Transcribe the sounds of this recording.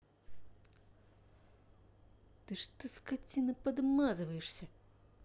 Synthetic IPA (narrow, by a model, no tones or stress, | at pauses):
t̪ɨʂt̪ɨskat͡sʲinɨpɐd̪mazvɐjɛʂsʲɐ